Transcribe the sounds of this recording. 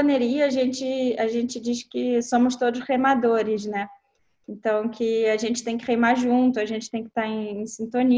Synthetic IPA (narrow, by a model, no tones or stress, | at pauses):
neɾiɐaʒẽnt͡ʃɪaʒẽnt͡ʃɪd͡ʒiskɪsõmʊst̪od̪ʊsʁejmad̪oɾɪznɛ | ẽnt̪ɐ̃w̃kɪaʒẽnt͡ʃɪ̥t̪ẽj̃kɪχejmaʒũt̪ʊɐʒẽnt͡ʃɪ̥t̪ẽj̃kɪ̥t̪aɾẽj̃ẽj̃sĩnt̪õni